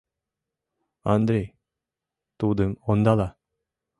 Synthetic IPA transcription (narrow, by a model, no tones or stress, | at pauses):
and̪ɾe | t̪od̪ɯŋɔnd̪ala